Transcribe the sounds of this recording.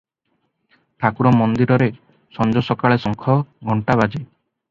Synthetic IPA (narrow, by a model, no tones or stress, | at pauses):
t̪ʰakuɾɔmɔnd̪iɾɔɾe | sɔnd͡ʒɔsɔkaɭesɔŋkʰɔɡʱɔɳʈaβad͡ʒe